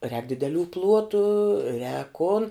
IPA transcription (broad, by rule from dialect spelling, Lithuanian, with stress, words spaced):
rʲɛːk dʲɪdʲɛˈlʲuː ˈplˠuɔtʊ rʲɛːk kʊn